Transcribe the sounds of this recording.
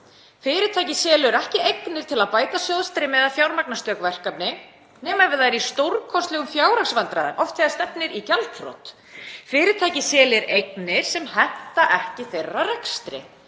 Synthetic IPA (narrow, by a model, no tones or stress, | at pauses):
fɪːɾɪt̪ʰaːjcɪsɛːlʏɾɛhcɪejknɪɾ̥t̪ʰɪlaðpaːjt̪asjɔðst̪ɾɪmɛðafjawɾmak̚nast̪œːkvɛr̥kapnɪ | nɛːmaɾvɪðaɾist̪owɾkʰɔst̪lɛɣʏmfjaːwɾaksvant̪ɾaðɪnʔɔft̪fɛðast̪ɛpnɪɾicalt̪fɾo̰t̪ | fɪːɾɪt̪ʰaːjcɪsɛːlɪɾejknɪɾ̥sɛmhɛn̥t̪aʔɛhcɪθejrːarɛkst̪ɾɪ̰